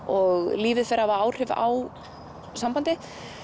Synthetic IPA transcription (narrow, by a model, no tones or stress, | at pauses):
ɔɣliːvɪðfɛɾavaaːwr̥ɪva̰w | sampant̪ɪ